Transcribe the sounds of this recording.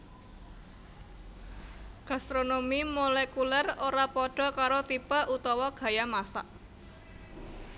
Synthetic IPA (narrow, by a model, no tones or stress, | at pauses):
ɡ̥a̤st̪ɾonomimolɛkulɛroɾapɔɖ̥ɔ̤kaɾot̪ipaʔut̪ɔwɔɡ̥ä̤jamasa̰ʔ